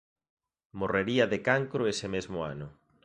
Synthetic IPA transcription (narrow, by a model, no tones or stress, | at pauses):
moreɾiɐðekaŋkɾʊesɪmezmʊa̰nʊ